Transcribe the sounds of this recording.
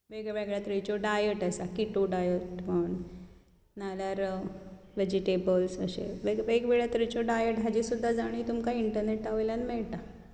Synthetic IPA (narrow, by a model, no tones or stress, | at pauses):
ʋeɡaʋeɡɭjat̪ɾit͡ɕoɖajəʈəsakiʈoɖajəʈməɳ | naljaɾ | ʋed͡ʑiʈebəlsə̰ɕḛʋeɡʋeɡʋeɭjat̪ɾit͡ɕoɖajəʈɦad͡ʑisud̪ʱːad͡zaɽ̃it̪umkaiɳʈəɾneʈaʋəjljanmɛɭt̪a